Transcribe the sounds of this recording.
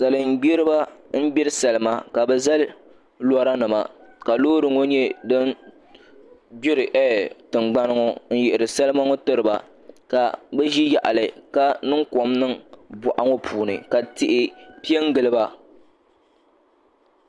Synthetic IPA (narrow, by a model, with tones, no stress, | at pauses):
sa˨lɨ˨m̩˨ɡ͡bi˦ɾɨ˦ba˦m̩˦bɪ˦ɾɨ˦sa˨lɨ˦ma˦ka˨bɛ˨za˦l | lɔ˦ɾa˦nɨ˨ma̰˨ka˨loː˦ɾɨ˨ŋo˦ɲɛ˦dɨ˦n | bi˦ɾɨ˨ʔɛ˦tɨ˨ŋ͡mɡ͡ba˦nɨ˦ŋo˦n̩˦jɪ˨ʔɪ˨ɾɨ˨sa˦lɨ˦ma˦ŋo˦tɨ˦ɾɨ˨ba̰˨ | ka˨bɛ˦ʒi˦ja˨ʔa̰˨lɨ˨ka˦nɨ˦ŋko˨mnɨ˦ŋbʊ˨ʔa˨˦ŋo˦pʰuː˨nɨ̰˨ka˨tɪ˦ʔɪ˦pi˦ɛ˦ŋɡɨ˨lɨ˦ba˦